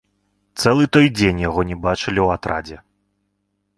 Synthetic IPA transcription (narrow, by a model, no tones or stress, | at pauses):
t̪sɛlˠɨt̪ɔjd͡zʲenʲjaɣɔnʲɛbat͡ʂɨlʲiwat̪ɾa̰d͡zʲɛ